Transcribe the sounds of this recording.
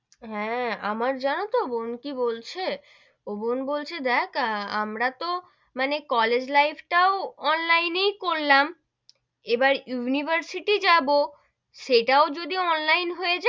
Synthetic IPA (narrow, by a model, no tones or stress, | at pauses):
ɦɛ̃a̰maɾd͡ʑanot̪obonkibolt͡ɕʰe | obonbolt͡ɕʰed̪ɛkamɾat̪o | manekɔled͡ʑlajfʰʈaoɔnlajnejkoɾlam | ebaɾjunibʱaɾsiʈid͡ʑabo | ʃeʈaod͡ʑod̪iɔnlajnɦoed͡ʑa